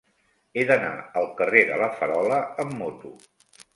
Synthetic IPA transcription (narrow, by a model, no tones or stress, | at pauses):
eðəna̰əlˠkəreðələfəɾɔləəmːot̪u